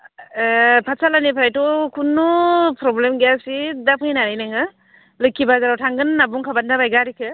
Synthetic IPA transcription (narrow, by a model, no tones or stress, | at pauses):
pʰasalanipʰɾajtɔkʰunːupʰɾɔblemɡejasidapʰɯjnaɾɯjnaŋɯ | lɯkʰibazaɾawtʰaŋɡɯnːabuŋkʰabandabajɡaɾikʰɯ